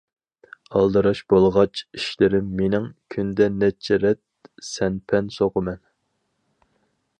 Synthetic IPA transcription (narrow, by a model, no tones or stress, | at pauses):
ɑlˠd̪ɨɾɑʃb̥olˠʁɑt͡ʃʰiʃlɪɾɪmːenɪŋkʲʰynd̪ɛnɛt͡ʃʰɛɾɛt̪̚ | sɛnpʰɛnsoqəmɛn